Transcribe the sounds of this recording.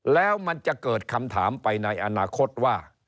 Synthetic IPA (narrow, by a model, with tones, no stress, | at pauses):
lɛː˦˥wma˧nt͡ɕa˨˩kɤː˨˩t̪̚kʰa˧mt̪ʰa̰ː˩˦mpa˧jna˧jʔa˧naː˧kʰo˦˥t̪̚waː˥˩